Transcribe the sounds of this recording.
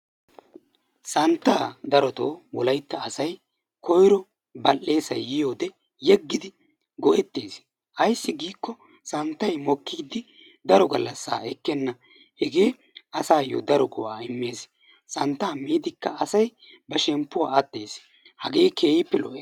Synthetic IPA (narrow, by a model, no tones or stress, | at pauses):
sɐnt̪ːaːd̪ɐɾɔt̪oːwɔlɐjt̪ːɐːsɐj | kɔjɾɔ | bɐlːe̞ːsɐjːɪjo̞ːd̪ɛ | jɛɡːɪd̪ɪ | ɡɔʔɛt̪ːeːs | ʔɐjsːɪɡiːkːɔ | sɐnt̪ːɐjmɔkːiːd̪ɪ | d̪ɐɾɔɡɐlːɐsːa̰ːɛkːɛnːɐ | hɛɡeː | ɐsaːjo̰d̪ɐɾɔɡɔwaːɪmːe̞ːs | sɐnt̪ːaːmiːd̪ɪkːɐɐsɐj | bɐʃɛmpːʊwa̰ːɐt̪ːe̞̰ːs | hɐɡe̞ːkʰe̞ːjɪpːɛlɔʔeː